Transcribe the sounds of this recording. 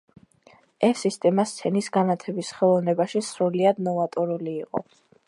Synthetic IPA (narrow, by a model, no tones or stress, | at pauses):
ɛsist̪ʼɛmast̪sʰɛnisɡanat̪ʰɛbisχɛlˠɔvnɛbaʃisɾuliad̪nɔvat̪ʼɔɾuliːqʼɔ̰